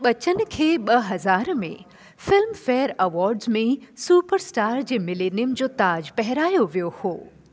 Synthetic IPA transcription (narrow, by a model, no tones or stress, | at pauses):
ɓət͡ʃənkʰeːɓəɦɐzaːɾmḛ̃ | fɪlmfeːɾəʋɔːɾɖzmẽsuːpəɾsʈaːɾd͡ʒemɪlenimd͡ʒoːt̪aːd͡ʒpɛɦɾaːjoʋjohoː